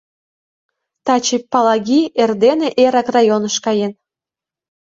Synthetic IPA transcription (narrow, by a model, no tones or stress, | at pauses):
t̪ɑt͡ɕipːɑlɑɡʲierd̪eneʔeɾɑkrɑjonəʃkɑjen